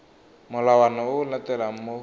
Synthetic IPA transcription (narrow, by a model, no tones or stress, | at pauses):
mɔlawanɔunat̪ɛlamo